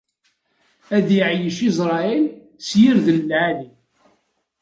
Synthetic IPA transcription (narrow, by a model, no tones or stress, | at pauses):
æðjəʕjəʃizɾˤɑil | sjiɾðənlʕali